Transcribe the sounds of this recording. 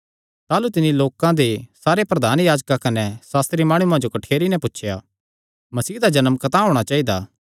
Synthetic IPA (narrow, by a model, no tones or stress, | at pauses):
t̪aːlut̪ɪniloːkãd̪esaːɾepɾɐd̪ʱaːnjaːd͡ʒkakɐnɛsaːst̪ɾimaːɽ̃uãd͡ʒokɐʈʰeːɾinɛ̃pʊtːʃʰjaː | mɐsiːd̪ad͡ʒɐnəmkɐt̪aɦõːɽ̃at͡ʃaːid̪aː